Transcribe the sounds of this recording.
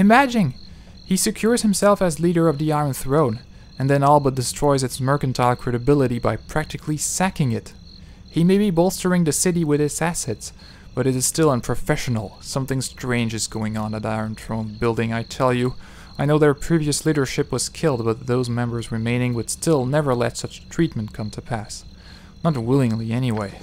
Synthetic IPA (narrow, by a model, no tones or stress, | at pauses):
ɨmæd͡ʒɪ̃ŋ | isɨkʰj̥ʊɹz̥hɨ̃msɛlˠfɨzliɾə˞ʌvðiaɪə̃˞nθɹõʊ̃n | ɨ̃nðɨ̃nɔlˠbʌdɨstɹ̥ɔɪzɨtsmɜ˞kɨ̃n̩tʰaɪlˠkʰɹ̥ɛɾɨbɪlˠəɾibaɪpʰɹ̥æk̚tɨkʰlisækɪ̃ŋɪt̚ | himeɪbibɔlˠstə˞ɪ̃ŋðɨsɪɾiwɨðɨtsæsɛts | b̥ʌɾɨɾɨz̥stɪlˠə̃npʰɹ̥ɨfɛʃn̩l̩ˠsʌ̃mθɪ̃ŋstɹ̥ẽɪ̃nd͡ʒɨzɡoʊɪ̃ŋə̃nɨɾaɪə̃˞ntʰɹ̥õʊ̃nbɪlˠdɪ̃ŋaɪtʰɛlˠjɨ | aɪnoʊðə˞pʰɹ̥iviɨsliɾə˞ʃɪpwʌz̥kʰɪlˠd̚bʌt̪̚ðoʊzmɛ̃mbə˞zɹɨmẽɪ̃nɪ̃ŋwɨd̥stɪlˠnɛvə˞lɛ̰tsʌt͡ʃtʰɹ̥it̚m̃n̩tkʰʌ̃mtʰɨpʰæs | nət̚wɪlˠɪ̃ŋliɛniweɪ